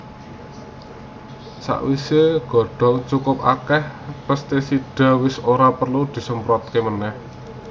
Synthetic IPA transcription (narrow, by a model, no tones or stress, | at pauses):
sa̰ʔwiseɡ̥ɔ̤ɖ̥ɔ̤ŋt͡ʃukʊpa̰kɛhpəst̪esiɖ̥a̤wɪsoɾapərlud̪̥i̤səmpɾɔt̪̚kemənɛh